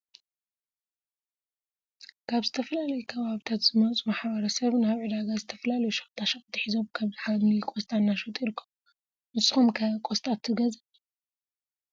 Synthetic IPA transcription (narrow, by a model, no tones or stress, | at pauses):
kʰaβzɨt̪ʰɐfɐlalɐjukʰɐβaβit̪ʰat̪z̥ɨmɐt͡sʼumaħbɐɾɐsɐβnɨaβʕɨd̪aɡazɨt̪ʰɐfɐlalɐjuʃɐxt̪ʰaʃɐkʼt̪ʰːɨħizo̞mkʰaβzɨħamlikʼost̪ʼanːaʃot̪ʼiɾkʰːom | mɨsʼɨxomkʰɐkʼost̪ʼat̪ʰːɨɡɐzɐ